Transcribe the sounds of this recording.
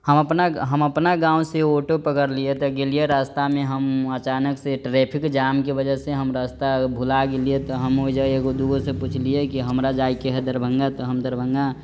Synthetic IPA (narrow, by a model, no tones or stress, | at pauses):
həməpnaɦəməpnaɡãːũseoʈopəkəɾliet̪ɔɡelijeɾast̪amẽɦəmət͡ʃaːnəkseʈɾepʰɪkd͡ʒaːmkebəd͡ʒəseɦəmɾast̪abʱulaɡeliet̪ɔɦəmoid͡ʒəeɡod̪uɡoseput͡ʃʰliekiɦəmɾad͡ʒaːikeɦəd̪əɾbʱə̃ŋɡat̪ɔɦəmd̪əɾbʱəŋɡa